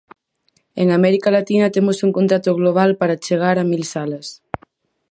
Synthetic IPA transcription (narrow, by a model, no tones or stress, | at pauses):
eŋamɛɾikalat̪inat̪emosuŋkont̪ɾat̪oɣloβ̞alpaɾat͡ʃeɣ̞aɾamilsalas